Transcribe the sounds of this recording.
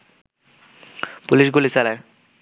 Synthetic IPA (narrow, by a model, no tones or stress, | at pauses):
puliʃɡulisala